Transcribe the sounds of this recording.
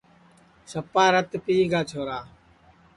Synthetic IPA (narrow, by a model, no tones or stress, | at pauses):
səpːaːɾət̪piːɡaːt͡ʃʰoːɾaː